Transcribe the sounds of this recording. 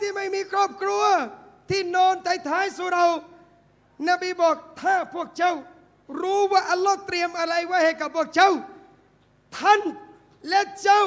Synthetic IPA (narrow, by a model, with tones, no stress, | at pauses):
t̪ʰiː˧˩˨ma˥˩jmiː˧kʰɾɔː˥˩p̚kʰɾu˧ɐ | t̪ʰiː˥˩nɔː˧nt̪a˧˥˩jt̪ʰaː˧˥jsu˧˦ɾa˧w | na˧˩biː˧˥˩bɔː˨˩k̚t̪ʰaː˧˩pʰu˥˩ək̚t͡ɕa˥˩w | ɾuː˦˥waː˧˩ʔa˧lːɔː˧˥˩t̪ɾi˧əmʔa˧ɾa˧jwaː˧˩jhe˨˩t̚kːa˨˩pʰːuː˥˩ək̚t͡ɕa˥˩w | t̪ʰa˥˩˨n | lɛ˦˧˥t͡ɕa˧˥˩w